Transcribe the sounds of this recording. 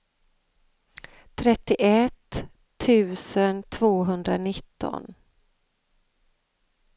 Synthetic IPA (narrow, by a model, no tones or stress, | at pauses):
t̪ʰɾɛt̪ːɪʔɛt̪ʰː | ʉ̟ːsənt̪ʰv̥oːɦɵnd̪ɾanɪt̪ʰːɔ̰n